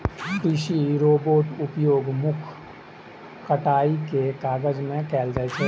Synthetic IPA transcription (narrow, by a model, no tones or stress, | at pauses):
b̪iːʃiɾoːboːʈʊpjoːɡmʊkʰ | kəʈaːikekaːɡəd͡ʒmẽkɛːld͡ʒaet͡ʃʰɛ